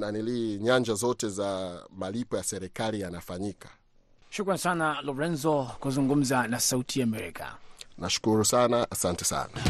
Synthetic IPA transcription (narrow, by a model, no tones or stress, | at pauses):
naniliɲaɲd͡ʒazɔtɛzamalipɔjasɛɾɛkalijanafaɲikʰḁ | ʃukɾansanalɔɾɛnzɔkuzuŋɡum̩zanasautʰiaːmɛɾḭkʰa̰naʃu̥kuɾusanaʔasantɛsa̰na